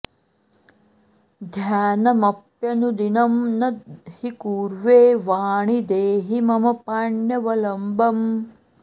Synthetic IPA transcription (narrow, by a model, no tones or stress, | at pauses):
d̪ʱjaːnɐmɐpjɐnud̪inɐmnɐd̪̚hikuːɾʋeːʋaːɳid̪eːɦimɐmɐpaːɳjɐʋɐlɐmbɐm